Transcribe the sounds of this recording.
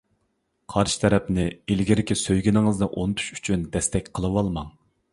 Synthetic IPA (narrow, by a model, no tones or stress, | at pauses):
qʰɑɾʃɪ̥t̪ʰɛɾɛpnɪilɡʲiɾɪkʲisøjɡʲinɪŋɨzd̪ɑʔonɨt̪ʰu̥ʃy̥t͡ʃʰynd̪ɛst̪ɛkʲqʰəlˠɨwɑlˠmɑŋ